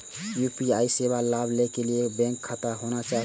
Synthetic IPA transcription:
jupiaisebalablekelijeːkbɛ̃ŋkʰːat̪aɦonat͡ʃaɦ

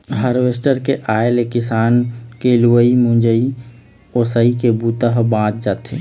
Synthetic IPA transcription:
ɦəɾʋesʈəɾkeʔaːelekɪsaːnkeluwəimũd͡ʒəi | osəikebut̪əɦbãːt͡ʃd͡ʒaːt̪e

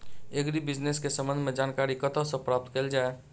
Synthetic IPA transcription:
eɡɾibɪd͡ʒneskesə̃mbə̃nd̪ʱmẽd͡ʒaːnkaːɾikət̪əsẽpɾaːp̚t̪keld͡ʒaːe

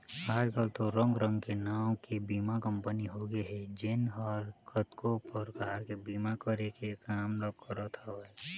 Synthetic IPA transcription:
aːɾkalt̪oɾə̃ŋɡɾə̃ŋɡkenaːõkebiːmakə̃mpəniɦoɡeɦɛd͡ʒɪnɔːɾkʰət̪kʰopəɾkaːɾkebiːmakəɾekekaːmɾək̚kəɾot̪ʰaʋə

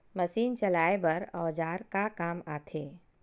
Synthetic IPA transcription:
mɐsiːnt͡ʃɐlaːebɐɾɔːd͡ʒaːɾkakaːmaːt̪ʰeː

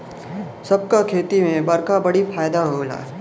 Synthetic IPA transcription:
sɐb̚kakʰeːt̪imẽbɐɾkabɐɽifʰaːjd̪aɦoɡla̰ː

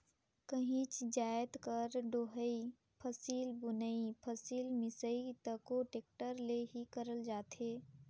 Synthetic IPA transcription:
kəɦĩt͡ʃd͡ʒaːet̪kəɾɖoɦəi | pʰəsiːlbʊnəipʰəsiːlmɪsəit̪əkoʈeːk̚ʈəɾleɦikəɾəld͡ʒaːt̪eː

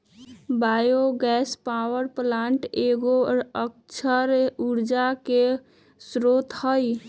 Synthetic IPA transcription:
baːjoɡɛːspawəɾplaːɳʈeɡoɾək̚t͡ʃʰəɾuɾd͡ʒake | sɾoːt̪həj

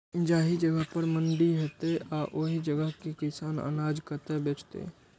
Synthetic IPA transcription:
d͡ʒaːɦid͡ʒəɡəɦpəɾmə̃ɳɖiɦet̪eʔaʔoɦid͡ʒəɡəɦkekɪsaːnə̰naːd͡ʒkəɾt̪ebeːt͡ʃt̪ḛː

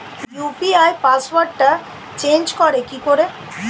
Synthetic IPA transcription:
jupiajpaswaɖʈa | t͡ɕend͡ʑkɔɾekikoɾe

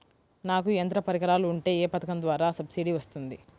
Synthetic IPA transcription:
naːkuɐnt̪ɾɐpɐɾikɐɾaːluːɳʈe̞ːeːpɐt̪ɐkɐnd̪ʋaːɾaːsɐbsiɖiʋɐst̪und̪i

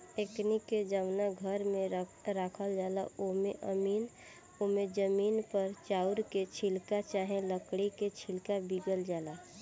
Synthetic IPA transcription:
ekniked͡ʒəmnaɡʱəɾmẽɾaːkʰəld͡ʒaːlaʔomẽʔəmiːn | omẽd͡ʒəmiːnpəɾt͡ʃaːʊɾket͡ʃʰilkat͡ʃaɦẽləkɽiket͡ʃʰɪlkabiɡəld͡ʒaːla

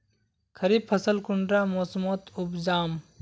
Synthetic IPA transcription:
kʰɐɾiːbfʰɐsəlkʊɳɖɾaːmoːsmoːt̪ʊbd͡ʒaːm

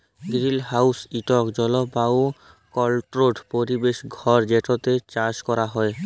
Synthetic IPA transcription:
ɡɾilɦawsiʈɔkd͡ʑɔlobao | kɔlʈɾoɖpoɾibeʃɡʱɔɾd͡ʑeʈot̪et͡ɕaɾd͡ʑkɔɾaɦɔe

